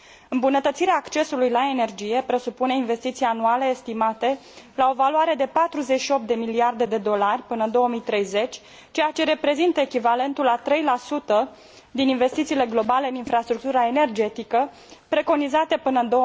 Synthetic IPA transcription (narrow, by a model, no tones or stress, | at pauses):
ɨmbunət̪ət̪siɾeaːkt͡ʃe̞sulujlae̞ne̞rd͡ʒije̞pɾe̞supune̞inve̞st̪it̪sijanuale̞ːst̪imat̪e̞lao̞valuaɾe̞d̪e̞pat̪ɾuzet͡ʃʃio̞p̚t̪d̪e̞miliard̪e̞d̪e̞d̪o̞larʲpɨnəɨnd̪o̞oəmijt̪ɾe̞jze̞t͡ʃʲ | t͡ʃe̞jat͡ʃe̞ɾe̞pɾe̞zint̪əekʲivale̞nt̪ulat̪ɾe̞jlasut̪ə | d̪ininve̞st̪it̪sile̞ɡlo̞bale̞ɨninfɾast̪ɾuk̚t̪uɾae̞ne̞rd͡ʒe̞t̪ikə | pɾe̞ko̞nizat̪epɨnəɨnd̪o